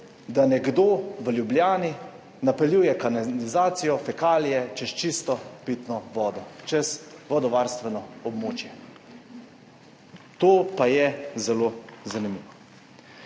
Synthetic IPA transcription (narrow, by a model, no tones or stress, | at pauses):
d̪anɛɡd̪oːʋəljubljaːni | napɛljuːjɛkanlizaːt̪sijɔfɛkaːlijɛt͡ʃɛst͡ʃist̪ɔpit̪nɔʋɔːd̪ɔt͡ʃɛsʋɔd̪ɔʋaːɾst̪ʋɛnɔɔbmoːt͡ʃjɛ | t̪oːpajɛzɛlozanimiːʋɔ